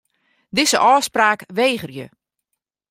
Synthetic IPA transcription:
dɪzəʔɔːspraːkʋeːɣərjə̰

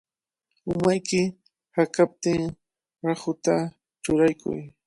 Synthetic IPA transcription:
ʊmajkɪ | hakap̚t̪ɪŋ | ɾahʊt̪a | t͡ʃʊɾajkʊ̰j

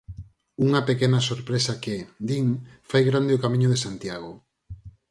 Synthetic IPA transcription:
uŋɐpekenɐsoɾpɾesaked̪iŋfajɣɾand̪eokamĩɲoðesant̪jaɣ̞o

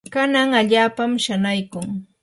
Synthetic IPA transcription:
kanaŋaʎaːpamʃanajkʊŋ

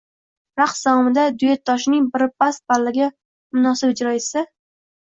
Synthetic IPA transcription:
ɾaqsd̪awɒmɪd̪ad̪ʊjet̪ʰːɒʃnɪŋbɪɾp̚as̚balːɪɡʲa | mʊnɒsɪbɪd͡ʒɾɒɪsɪ

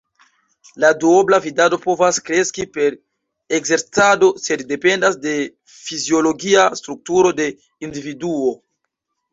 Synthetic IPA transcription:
laduoblavidado̞po̞vaskɾe̞skipe̞ɾ | eɡze̞ɾt͡sado̞se̞dːe̞pe̞ndasde̞ | fizio̞lo̞ɡiastɾuk̚tuɾo̞de̞ | individuo̞

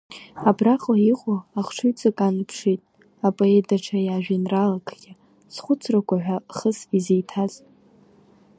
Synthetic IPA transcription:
abraqʼlaiqʷʼoaχʈ͡ʂʰɨɥt͡sʼɨkʼanɨpʰʂitʼ | apʼoedaʈ͡ʂʰajaːʒᶣinralakʰɡʲɪ | sχʷʊt͡sʰrakʷaħᶣʷaχəsizejtʰaz

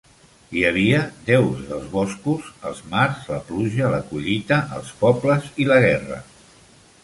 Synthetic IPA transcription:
iəβ̞iəd̪ɛwzðəlˠzβɔskuzə̰lˠzmaɾzləpluʒələkuʎit̪əʔːlˠspɔbləziləɣ̞ɛrə̰

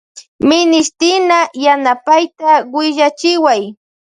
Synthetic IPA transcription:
mɪnɪʃt̪ɪnajanapajt̪awɪʒat͡ʃɪwaj

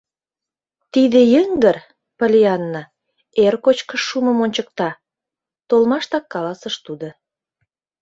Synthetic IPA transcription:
t̪id̪ĕjəŋɡər | pə̆lʲijɑnːɑ | erkot͡ɕkəʃːumə̆monʲt͡ɕək̚t̪ɑ | t̪olmɑʃt̪ɑkːɑlɑsəʃt̪ud̪o

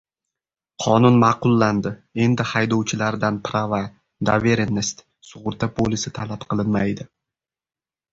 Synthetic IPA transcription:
qʰɒnʊnmɑqʊlˠːand̪ɪe̞nd̪ɪhajd̪ɒwt͡ʃʰɪlaɾd̪anpʰɾava | d̪aveɾenːest̪ | sʊʁʊɾt̪ʰapʰolɪsɪt̪ʰalapqʰɨlˠɪnmajd̪ɪ

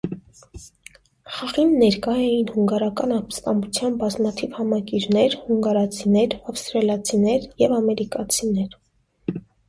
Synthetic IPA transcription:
χɑʁinːɛɾkɑjɛjinhuŋɡɑɾɑkɑnɑpst̪ɑmbut͡sʰjɑnbɑzmɑt̪ʰivhɑmɑkiɾnɛɾhuŋɡɑɾɑt͡sʰinɛɾɑfst̪ɾɑlɑt͡sʰinɛɾjɛvɑmɛɾikɑt͡sʰinɛɾ

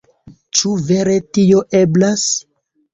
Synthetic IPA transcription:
t͡ʃuve̞ɾe̞tio̞ʔe̞blas

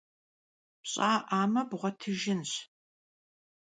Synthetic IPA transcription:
ɕʼaːʔaːmɐbʁʷɔtʰɨʒɪnɕ

